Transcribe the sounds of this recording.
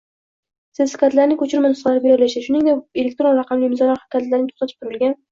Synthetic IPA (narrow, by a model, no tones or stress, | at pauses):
sɪzsɪ̥kʲat̪laɾnɪŋkʰɵt͡ʃʰɪɾɪmʊnslaɾɪbeɾɒlaʃaʃʊnɪŋd̪eelʲek̚ʲt̪ɾo̞nɾɑqɑmlɪmɪzɒlaχḁkʰʲat̪laɾnɪt̪ʰo̥χt̪at̪ʰɪ̥p̚t̪ʰʊɾɪlɡʲan